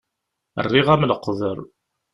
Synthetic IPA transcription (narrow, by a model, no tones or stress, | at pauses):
ə̰rːiʁæmnəqːðˤəɾˤ